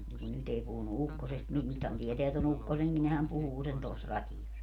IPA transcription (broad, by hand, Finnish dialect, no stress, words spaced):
mu nyt ei puhunu ukːosest mu nythæn tieteæ ton ukːoseŋki nehæm puhuː sen tos rɑtijos